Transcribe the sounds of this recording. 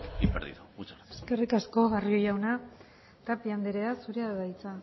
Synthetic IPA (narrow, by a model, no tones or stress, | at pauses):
ipeɾðḭðuut͡ʃaɾeske̞rikasko̞ɣario̞jawna | t̪apiand̪eɾeasuɾeaððajt͡sa